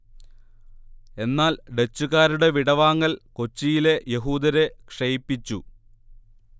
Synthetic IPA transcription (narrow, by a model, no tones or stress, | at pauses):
e̞nːaːlɖet͡ɕːuɣaːɾuɽe̞ʋiɽɐʋaːŋːɐlko̞t͡ɕːijile̞je̞ɦuːd̪ɐɾe̞kʂejpːit͡ɕːu